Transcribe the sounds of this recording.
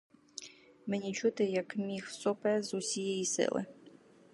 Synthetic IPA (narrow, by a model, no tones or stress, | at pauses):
mɛnʲit͡ʃut̪ɪjɐkmʲixsɔpɛzusʲijɛjisɪ̰lˠɪ̰